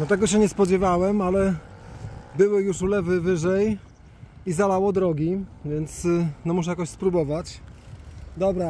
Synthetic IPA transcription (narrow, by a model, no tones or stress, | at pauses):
nɔt̪ɛɡɔɕɛɲɛspɔd͡ʑɛvawɛmalɛ | bɘwɘjuʂulɛvɘvɘʐɛj | izalawɔd̪ɾɔɡʲivʲjɛnt̪snɔmuʂ̬ɛjakɔɕspɾubɔvat͡ɕ | d̪ɔbɾa